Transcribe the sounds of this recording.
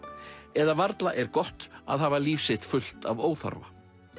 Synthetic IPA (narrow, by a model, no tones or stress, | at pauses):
ɛðavaɾt̪laʔɛɾkɔht̪a̰ðɦaːvaliːfsɪt̪fʏl̥t̪avoːwθa̰ɾva̰